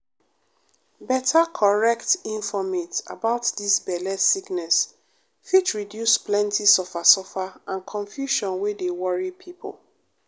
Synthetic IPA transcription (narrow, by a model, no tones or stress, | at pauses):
bɛtʰakʰɔɹɛktĩɱfɔmita̰baʊtdisbɛlɛsiknɛs | fitɹidjusplɛ̃ntisɔfasɔfaãnkʰɔ̃ɱfjuʃɔ̃nwedewɔɹipʰipʰo̰l